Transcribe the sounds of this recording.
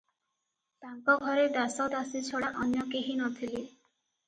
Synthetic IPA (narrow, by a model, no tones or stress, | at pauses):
paŋkɔɡʱɔɾed̪asɔd̪asit͡ʃʰoɽaʔɔnjɔkeɦinɔt̪ʰili